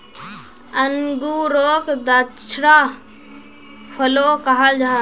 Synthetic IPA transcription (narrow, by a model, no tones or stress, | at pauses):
əŋɡuːɾoːkd̪at͡ʃʰɾaː | fʰəloːkaɦad͡ʒʱaː